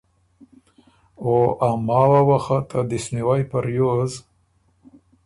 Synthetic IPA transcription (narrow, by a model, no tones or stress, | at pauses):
oʔamɑwawaxat̪ʰad̪isniwajpaɾjoz